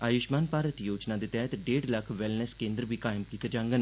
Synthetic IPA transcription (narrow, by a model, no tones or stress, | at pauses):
aːjʊʃmaːnpaːɾət̪joːd͡ʒnaːd̪eːt̪ɛːt̪ɖeːɖləkʰʋɪlnəskẽːnd̪ɾbʱiːkaːɪmkiːt̪ed͡ʒãːŋɡən